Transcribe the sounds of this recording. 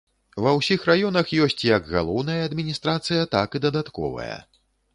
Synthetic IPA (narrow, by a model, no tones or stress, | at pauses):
vɐwsʲixrajɔnɐxjɔsʲt͡sʲjɐɡɣa̰lˠɔwnɐjɐːd̪mʲinʲist̪ɾat̪sɨjɐt̪akɨd̪ɐd̪at̪kɔ̰vɐ̰jɐ̰